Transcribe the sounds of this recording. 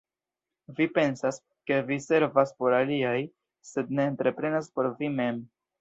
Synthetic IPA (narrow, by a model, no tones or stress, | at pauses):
vipe̞nsas | ke̞vise̞ɾvaspo̞ɾaliaj | se̞dne̞ːntɾe̞pɾe̞naspo̞ɾvime̞m